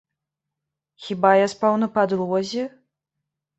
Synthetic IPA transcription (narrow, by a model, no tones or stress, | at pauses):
xʲibajaspawnɐpad̪lˠɔzʲɛ